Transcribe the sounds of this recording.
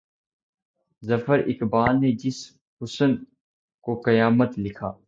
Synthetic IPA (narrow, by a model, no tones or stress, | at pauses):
zɐfəɾʔɪkbaːlned͡ʒɪs | hʊsən | kokɐjaːmət̪lɪkʰaː